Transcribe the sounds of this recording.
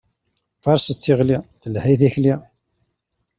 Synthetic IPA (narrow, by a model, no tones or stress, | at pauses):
fɑɾˤsət͡sːiʁliθəlhæjθæçli